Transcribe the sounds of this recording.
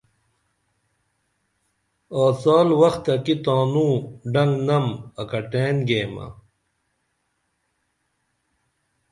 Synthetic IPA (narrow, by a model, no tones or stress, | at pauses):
aːsaːlwɐxt̪ɐkit̪aːnũːɖɐŋɡnɐmɐkɐʈeːnɡeːmɐ̰